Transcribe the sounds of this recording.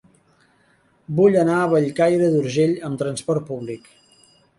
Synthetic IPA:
buʎənaəβəʎkajɾəðuɾʒeʎəmt̪ɾənspɔrt̪̚puβlik

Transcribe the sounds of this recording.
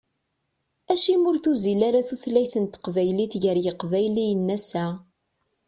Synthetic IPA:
æʃimʊɾθuzilaɾaθuθlæjθənt̪qvæjliθʝəɾjəqvæjlijənːæsæ

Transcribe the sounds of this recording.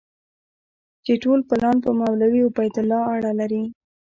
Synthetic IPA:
t͡ʃeʈolpɪlɑnpəmawlawiʊbajt̪ʊlɑaɽalaɾi

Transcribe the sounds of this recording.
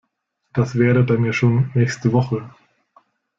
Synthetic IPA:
d̥asv̥ɛːʁəbaɪmiːɐʃoːnːɛːçstəvɔχə

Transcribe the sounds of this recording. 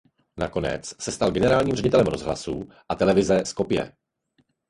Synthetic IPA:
nako̞nɛ̰t͡ssɛst̪alɡɛnɛɾaːlɲiːmrɛɟɪt̪ɛlɛmɾo̞zɦla̰su | ʔat̪ɛlɛvɪzɛsko̞pɪjɛ̰

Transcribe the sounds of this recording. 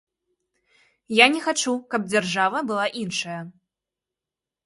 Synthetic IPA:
janʲɛxat͡ʂukɐb̚d͡zʲarʐavɐbɨlˠaʔinʂɐjɐ

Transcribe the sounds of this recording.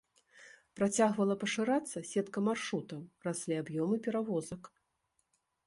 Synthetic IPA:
pɾat͡sʲaɣvɐlˠɐpɐʂɨɾat̪sːɐsʲɛt̪kɐmarʂɾut̪ɐmrasʲlʲiabjɔmɨpʲɛɾavɔzɐk

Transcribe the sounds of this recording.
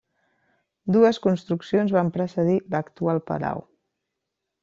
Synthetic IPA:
d̪uəskunst̪ɾuksionzβampɾəsəðiləkt̪ualˠpə̰la̰w

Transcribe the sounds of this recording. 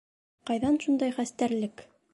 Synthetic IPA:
qɑjðɑnʃund̪ɑjχæst̪æɾlɘk

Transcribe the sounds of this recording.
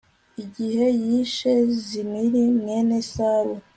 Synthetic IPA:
iɟihe̞jiʃezimiɾimŋenesaɾo

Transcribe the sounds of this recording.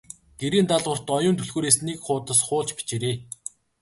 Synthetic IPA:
ɡ̥eɾiːnt̪aɮʁə̆r̥t̪ɔjʊːnt̪ʰɵɮɣoːɾeːsnikχʊːt̪ə̆sχʊːɮt͡ɕpi̥t͡ɕeɾeː

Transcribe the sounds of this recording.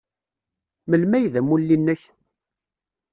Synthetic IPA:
məlmæjðæmulːinːəç

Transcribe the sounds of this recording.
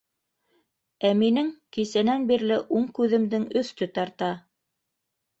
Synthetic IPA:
æminɘŋkisænænbiɾlɘʔuɴkʉðɘ̆md̪ɘŋɵ̆θt̪ɵt̪ɑɾt̪ɑ

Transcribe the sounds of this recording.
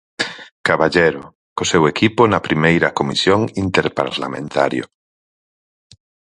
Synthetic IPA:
kaβaʎeɾʊ | kosewekiponɐpɾimejɾɐkomḭsjoŋint̪eɾpa̰ɾla̰mḛ̃nt̪a̰ɾjo̰

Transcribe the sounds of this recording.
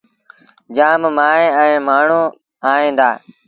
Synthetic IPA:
d͡ʒaːmmaːeɛ̃ːmaːɳ̤uː | aːɦĩːnd̪a̰ː

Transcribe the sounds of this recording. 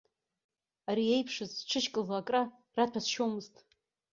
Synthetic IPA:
aɾie̞jpʰʂɨzʈ͡ʂʰɨʃkʼɨlakʼra | ratʰasʃomɨztʼ

